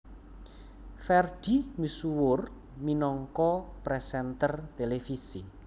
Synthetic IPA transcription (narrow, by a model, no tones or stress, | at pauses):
fɛrɖ̪̥i̤misuwʊr | minɔŋkɔpɾɛsɛnt̪ərt̪elefisi